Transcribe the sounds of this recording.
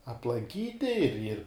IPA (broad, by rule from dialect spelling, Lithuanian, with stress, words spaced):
ɐplˠɐŋʲˈkʲiːtʲɪ ɪr ɪr